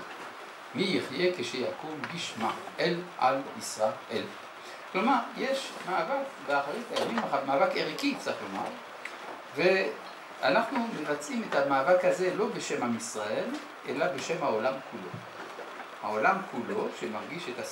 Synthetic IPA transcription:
mijiχje̞keʃejakumɡiʃma̰ʔelʔa̰lisʁaʔel | klo̞maʁje̞ʃmaːvakbeaχaʁitajamimaatmaːvakeʁikit͡saʁiχloma̰ʁ | ve̞ | a̰naχnumevat͡simetamaːvakhaze̞lo̞be̞ʃe̞mhamisʁae̞l | ʔe̞labeʃe̞mhaolamkʰulo̞̰ | haolamkʰulo̞ʃemaʁɡiʃet̪a

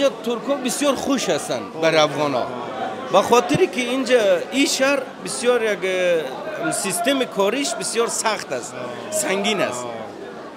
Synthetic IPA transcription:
d͡ʒat̪ʰuɾkʰɔbisjɔɾχuʃhast̪anbaɾiafʁɔnɔ̰ | baχɔt̪iɾikiind͡ʒaiʃahɾbisjɔɾjak | sist̪e̞mikʰɔɾiʃbisjɔɾsaχt̪ast̪ | saŋɡina̰st̪

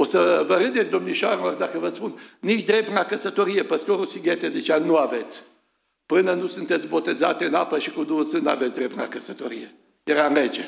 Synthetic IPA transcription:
osəvəɾɨnd̪et̪sʲd̪omniʃaɾlord̪akəvəspunniʃd̪ɾe̞p̚t̪nakəsət̪o̞ɾijepəst̪oɾusiɡet̪ezit͡ʃanuave̞t̪sʲ | pɨnənusunt̪e̞t̪sʲbo̞t̪e̞zat̪eɨnapəʃikud̪usɨna̰vesʲd̪ɾept̪na̰kəsət̪oɾije | jeɾanle̞d͡ʒe

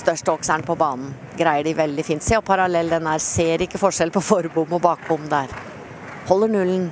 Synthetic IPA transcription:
st̪œʂʈəɔːksæɳpʰɔbɑːnn̩ | ɡɾæɪəɖɪʋɛld̪ɪfiːnt̪sɛɔpʰɑɾɑlɛlːd̪ɛnːhæːɾseːɾɪkːəfɔʂɛlpʰɔfɔɾbʊmːɔbɑːk̚bʊmːd̪æɾ | hɔlːəɳʉln̩

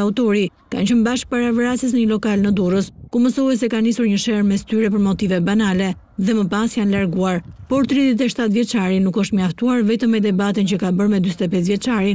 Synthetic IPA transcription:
aut̪ɔɾi | ka̰nt͡ʃəmbaʃk̚paɾavəɾasəs̬nəɲəlɔkalnəd̪uɾəskuməsɔɛs̬ɛkanisuɾɲəʃɛɾmɛst̪yɾɛpəɾmɔt̪ivɛbanalɛ | ðɛməpasjanlaɾɡuaɾpɔɾt̪ɾiðjɛt̪̬ɛʃt̪at̪vjɛt͡ʃaɾinukɔʃt̪məjaft̪uaɾvɛt̪əmːɛd̪ɛbat̪int͡ɕəkabəɾmɛd̪yst̪ɛpɛs̬vjɛt͡ʃaɾin

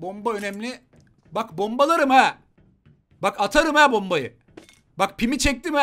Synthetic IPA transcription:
bo̞mbaø̞nɛmlʲi | bakbo̞mbalˠaɾɯmɛː | bakat̪ʰaɾɯmɛːbo̞mbajɯ̰ | bak̚pʰimit͡ʃʰɛk̚t̪imɛ

